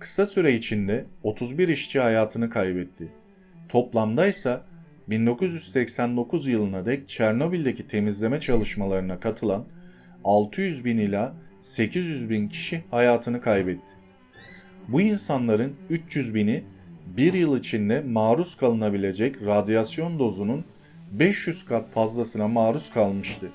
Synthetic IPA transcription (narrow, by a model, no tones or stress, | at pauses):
kʰɯ̥sasyɾɛit͡ʃʰind̪ɛo̞t̪ʰuzbiɾiʃt͡ʃʰihajaːt̪ʰɯnɯkʰajbɛt̪ʰːɪ | t̪ʰo̞plˠamd̪ajsa | bind̪o̞kuzjyzsɛcsænd̪o̞kʰuzjɯlˠɯnad̪ɛc̚t͡ʃʰæɾno̞bilʲd̪e̞cʰit̪ʰe̞mizlʲe̞mɛt͡ʃʰalˠɯʃmalˠaɾɯnakʰat̪ʰɯlˠan | alˠt̪ʰɯjyzbinilʲaːse̞cʰizjyzbincʰi̥ʃihajaːt̪ʰɯnɯkʰajbɛt̪ʰːɪ̥ | buinsanlˠaɾɯnyt͡ʃjyzbinibiɾjɯlˠit͡ʃʰind̪ɛmaːɾuskʰalˠɯnabilʲe̞d͡ʒɛcɾad̪ijasjo̞nd̪o̞zunun | bɛʃjyz̥kʰat̪fazlˠasɯnamaːɾuskʰalˠmɯʃt̪ʰɯ